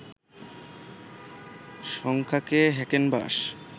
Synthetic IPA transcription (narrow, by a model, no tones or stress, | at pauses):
ʃɔŋkʰakeɦɛkenba̰ʃ